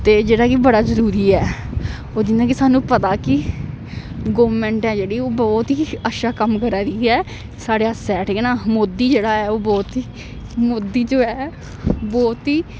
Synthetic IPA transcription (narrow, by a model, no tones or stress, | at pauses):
t̪eːd͡ʒeːɽaːkɪbəɽaːzəɾuːɾiːɛː | oːd͡ʒɪnːãːkɪsaːnũːpət̪aːkɪ | ɡoːʋmɛ̃ːɳʈɛ̃ːd͡ʒeːɽiːoːbɔːt̪ɦiːəʃaːkəmkəɾaːɾiːɛː | saːɽeːəsɛːʈʰiːkɛnaːmoːd̪iːd͡ʒeːɽaːɛːoːbɔːt̪iː | moːd̪ːiːd͡ʒoːɛː | bɔːt̪ɦiː